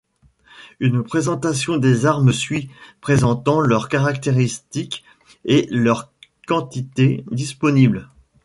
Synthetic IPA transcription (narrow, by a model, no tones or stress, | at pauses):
ynpχezɑ̃t̪asjɔ̃d̪ezaʁməsɥipχezɑ̃t̪ɑ̃lœʁkaʁakt̪eʁist̪ik | elœʁ | kɑ̃t̪it̪ed̪ispɔnibl